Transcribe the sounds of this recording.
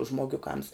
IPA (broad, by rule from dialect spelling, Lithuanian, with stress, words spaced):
ʒmoːˈɡʲʊˌkɐms